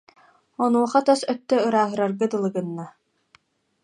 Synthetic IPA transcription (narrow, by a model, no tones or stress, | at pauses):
ɔnuɔχat̪œsœt̪ːœɯɾaːɦɯɾaɾɡɯd̪ɯlˠɯɡɯnːa